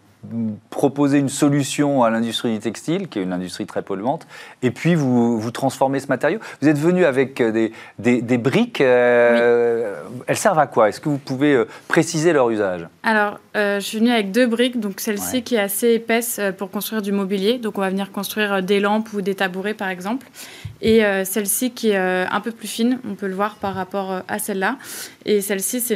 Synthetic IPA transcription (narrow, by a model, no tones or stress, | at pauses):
pχɔpozeynsɔlysjɔ̃alɛ̃d̪yst̪χid̪yt̪ɛkst̪ilkʲiɛynɛ̃d̪yst̪χit̪χɛpɔlyɑ̃t̪epʰɥivuvut̪χɑ̃sfɔʁmesəmat̪ɛʁjovuzɛt̪vənyavɛkød̪ed̪ed̪ebʁikø | ɛlsɛʁvakwaɛskəvupuveøpχesizelœʁyzaʒalɔʁøʒəsɥivənyavɛk̚d̪øbʁikd̪ɔ̃ksɛlsikʲiɛt̪aseepɛsøpuʁkɔ̃st̪χɥiʁd̪ymɔbiljed̪ɔ̃kɔ̃vavəniʁkɔ̃st̪χɥiʁd̪elɑ̃pud̪et̪abuʁepaʁɛɡzɑ̃pleøsɛlsikʲiɛøɛ̰̃pøplyfinɔ̃pøləvwaʁpaʁːapɔʁøasɛlːaesɛlsisɛ